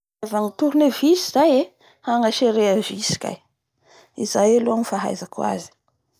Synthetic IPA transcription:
vaŋit̪uɾunevizizaje | haŋaʃeɾeavisi̥kʲa̰j | izajaluamifaɦa̰jzakwa̰zi̥

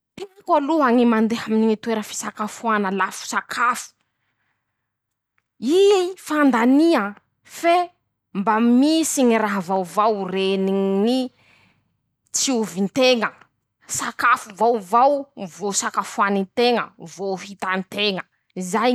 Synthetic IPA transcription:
piakaluɦaŋimand̪eɦaminiŋit̪weɾəfi̥sakafuanəlafu̥sakʰafu̥ | ifand̪ania | fe | mbamisiŋiraɦavawvawrenini | t͡siuvint̪eŋə | sakafuvawvawvosakafuanint̪eŋə̰voɦit̪ant̪eŋə | izaj

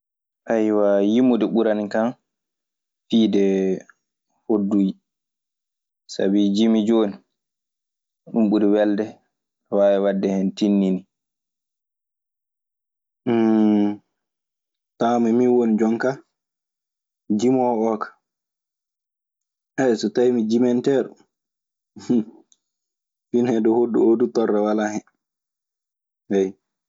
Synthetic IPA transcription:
ʔajwajimudɛɓuɾanikan | fiːdɛ | hodːuːd͡ʒi | sa̰bid͡ʒimid͡ʒoːni | ɗumɓuɾiwɛldɛ | wawɛwadːɛhɛntinːini | tamɛmiwonid͡ʒɔŋka | d͡ʒimɔɔkḁ | ʔɛjsɔtajmid͡ʒimɛntɛːɾɔ | finhɛdɔhodːṵodutɔrːawalahɛ | wɛj

